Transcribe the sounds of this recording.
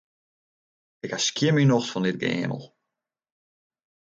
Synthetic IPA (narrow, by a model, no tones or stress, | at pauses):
ɪkhaʃkiəmynɔxsfɔnɪt̚ɡḛːmə̰lˠ